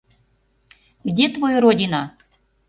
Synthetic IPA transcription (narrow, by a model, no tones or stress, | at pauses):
ɡdʲet̪vojoɾodʲina